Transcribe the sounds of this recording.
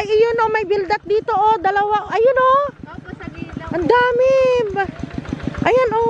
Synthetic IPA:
ʔɐjɪjonomɐjbɪld̪ɐt̪̚d̪iːt̪oʔod̪ɐlɐwaʔʔɐjonʔo | ʔɐnd̪aːmɛba | ʔɐjanʔo

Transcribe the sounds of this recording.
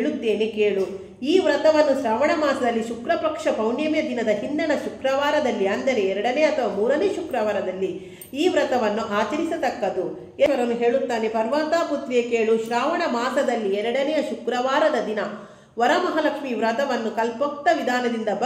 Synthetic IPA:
ɭut̪ːe̞ːnekeːɭu | iːʋɾɐt̪ɐʋɐnːuʃɾaːʋɐɳɐmaːsɐd̪ɐlːiʃukɾɐpɾɐkʂɐbʱɐwɳjɐmjɐd̪inɐd̪ɐɦind̪ɐɳɐʃukɾɐʋaːɾɐd̪ɐlːiɐnd̪ɐɾe̞ɛɾɐɽɐneːɐt̪ʰɐʋamuːɾɐneːʃukɾɐʋaːɾɐd̪ɐlːi | iːʋɾɐt̪ɐʋɐnːuʔaːt͡ʃɐɾisɐt̪ɐkːɐd̪u | eʋɐɾɐnːuɦe̞ːɭut̪ːaːnepɐɾʋaːt̪aːput̪ʋekeːɭuʃɾaːʋɐɳɐmaːsɐd̪ɐlːiɛɾɐɽɐnɛjɐʃukɾɐʋaːɾɐd̪ɐd̪inɐ | ʋɐɾɐmɐɦɐlɐkʂmiʋɾɐt̪ɐʋɐnːukɐlpok̚t̪ːɐʋid̪ʱaːnɐd̪ind̪ɐbɐ

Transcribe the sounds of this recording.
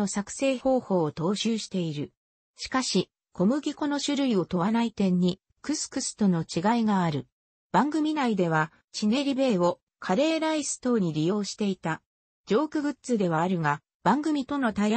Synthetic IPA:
o̞sakɯ̟̥se̞ːho̞ːho̞ːt̪o̞ːɕɨːɕi̥t̪e̞iɾɯ̟ | ɕi̥kaɕi | kʰo̞mɯ̟ɡʲiko̞no̞ɕɨɾɯ̟io̞t̪o̞βanait̪ẽ̞ɲ̟ːi | kɯ̟sɨ̥kɯ̟sɨ̥t̪o̞no̞t͡ɕiɡaiɡaːɾɯ̟ | b̥ãŋɡɯ̟mʲinaid̪e̞β̞a | t͡ɕine̞ːɾʲibe̞ːo̞ | kʰaɾe̞ːɾaisɨ̥t̪o̞ːɲʲiɾʲijo̞ːɕi̥t̪e̞it̪a | d͡ʑo̞ːkɯ̟bɯ̟t͡sɨd̪e̞βaːɾɯ̟ŋa | b̥ãŋɡɯ̟mʲit̪o̞no̞t̪ai

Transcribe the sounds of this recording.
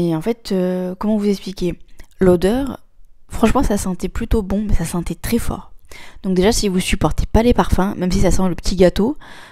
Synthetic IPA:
ɛɑ̃fɛt̪ʰøkɔmɑ̃vuzɛksplikʲelod̪œʁ | fχɑ̃ʃmɑ̃sasɑ̃t̪ɛplyt̪obɔ̃mɛsasɑ̃t̪ɛt̪χɛfɔ̰ːʁd̪̥ɔ̃k̚d̪eʒasivusypɔʁt̪ʰe̥palepaʁfɛ̃mɛmsisasɑ̃ləpə̥t̪ʰiɡat̪o

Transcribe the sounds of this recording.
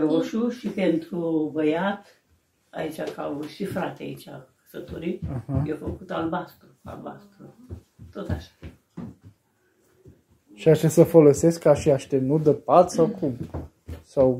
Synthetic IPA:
ɾoʃuʃipent̪ɾuvəjat̪ | a̰it͡ʃʲakawʃifɾat̪ea̰it͡ʃʲakə̥sət̪oɾiahajefəkut̪albast̪ɾua̰lba̰st̪ɾu | t̪o̞t̪aʃḁ | ʃiat͡ʃesəfo̞lo̞se̞skːaʃiaʃt̪enut̪̚d̪əpat̪sakum | saw

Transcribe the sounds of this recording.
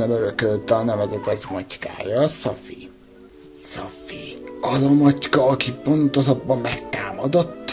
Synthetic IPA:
ɛmøɾøkølt̪ːɒnɛvɛzɛt̪ɛzmɒt͡ʃka̰ːjɒsɒfḭ | sɒfiɒzɒmɒt͡ʃkɒɒkipo̞nt̪o̞ʃɒbːɒmːɛkt̪aːmɒd̪o̞t̪ː

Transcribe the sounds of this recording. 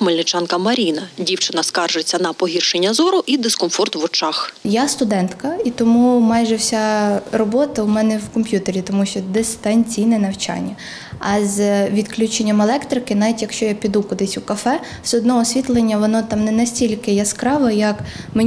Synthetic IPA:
melʲnɪt͡ʃɑnkɐmɐɾʲinɐdʲiwt͡ʃɪnɐskɑrʒet͡sʲːɐnɐpɔɦʲirʃenʲːɐzɔɾʊʔid̪ɪskɔmfɔrt̪ʋɔt͡ʃɑxjast̪ʊd̪ɛnt̪kɐit̪ɔmumɑjʒɛwsʲarɔbɔt̪ɐʊmɛnɛwkɔmpʲjut̪eɾʲit̪ɔmuʃt͡ʃɔd̪ɛsʲt̪ɑnʲt͡sʲijnɛnɐwt͡ʃɑ̰nʲːɐ | ɐzʋʲid̪klʲut͡ʃenʲːɐmelˠɛkt̪ɾɪkɪnɑʋʲitʲjɐkʃt͡ʃɔjapʲid̪ukʊd̪ɪsʲukɐfɛ | sɔd̪nɔɦɔsʲʋʲit̪lˠenʲːɐʋɔnɔt̪ɑmnɛnɐsʲtʲilʲkɪjɐskɾɑʋɐjɐkme

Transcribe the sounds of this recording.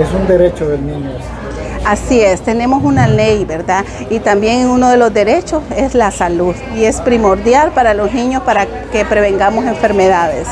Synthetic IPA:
esund̪e̞ɾet͡ʃoðelnĩɲo | asie̞st̪e̞ne̞mo̞sunale̞jbe̞ɾdða | it̪ambje̞ŋeŋuno̞ðe̞lo̞zd̪e̞ɾe̞t͡ʃo̞se̞zlasaluðie̞spɾimo̞ɾdjalpaɾalo̞znĩɲo̞spaɾa | ke̞pɾe̞βe̞ŋɡamo̞se̞ɱfe̞ɾme̞ðaðe̞s

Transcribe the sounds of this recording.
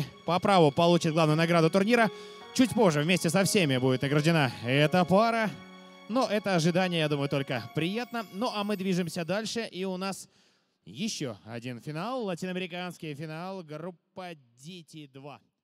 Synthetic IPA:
pɐpɾavʊpɐlˠut͡ɕɪt̪̚ɡlˠavnjʊnɐɡɾad̪ʊt̪ʊrnʲiɾə | t͡ɕutʲpo̞ʐːɨvmʲesʲtʲɪsɐfsʲemʲɪbudʲɪt̪nəɡɾəʐdʲɪnaɛt̪əpaɾə | noʔɛt̪əɐʐɨd̪anʲɪjəjad̪uməjʊt̪o̞lʲkəpɾʲɪjat̪nənoʔamɨd̪vʲiʐɨmsʲəd̪alʲʂɨʔiʊnas | jɪɕːo̰ɐ̰dʲinfʲɪnalˠːɐtʲinəɐmʲɪɾʲɪkanskʲɪjfʲɪnalˠɡrupːədʲetʲid̪va̰

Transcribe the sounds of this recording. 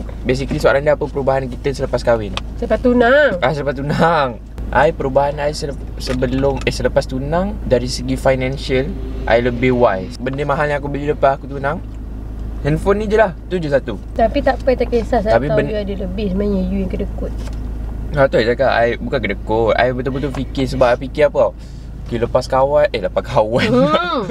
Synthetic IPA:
bes̬ikəlisoaɾaŋdapəpəɾubaɦank̬it̪əsələpaskawɪnsələpast̪unaŋʔasələpast̪unaŋ | ʔajpəɾubaɦanajsə | səbəlʊməsələpast̪unaŋdaɾisəɡifajnɛ̃nsəlʔa̰jləbɪhwaj | bəndemãɦalnjaak̬ubəliləpaakut̪unaŋ | hɛnfonĩd͡ʒəlaht̪ud͡ʒosat̪u | t̪apit̪aʔpəjt̪akesasat̪apibəəadələbɪhsmaɲəjujaŋkədəkʊt̪̚ | at̪ued͡ʒakaa̰jbukankədəkʊt̪̚a̰jbət̪̬ubət̪ufikɪs̬əbap̚pikɪapa | kiləpaskawanʔələpakawan

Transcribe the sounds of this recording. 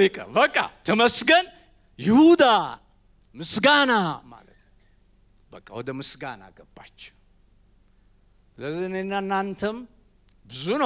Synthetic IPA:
ikʼəbəkʼːa̰t̪ʰəməsɡən | jɪhud̪a | mɨsɡanama̰lət̪nm | bəkʼːawɔd̪əmɨsɡana̰ɡəbːat͡ʃːɛ̥w | ləzinenːaɨnːant̪ʰəm | bɨzunə

